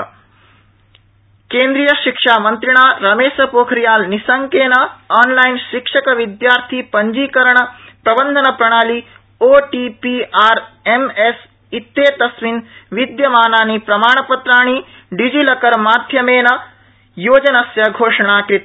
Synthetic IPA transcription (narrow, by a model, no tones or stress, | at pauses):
keːnd̪ɾijɐʃikʂaːmɐnt̪ɾiɳ̃aːɾɐmeːʃɐpoːkʰɾijaːlnisɐŋkeːnɐaːnlɐjinʃikʂɐkɐʋid̪jaːɾt̪ʰipɐɲd͡ʒiːkɐɾɐɳɐpɾɐbɐnd̪ʱɐnɐpɾɐɽ̃aːli | oːʈipiaːɾemes | it̪ːeːt̪ɐsʋinʋid̪jɐmaːnaːnipɾɐmaːɳɐpɐt̪ɾaːɳ̃i | ɖid͡ʒilɐkɐɾmaːd̪ʱjɐmeːnɐ | joːd͡ʒɐnɐsjɐɡʱoːʂɐɽ̃aːkɾit̪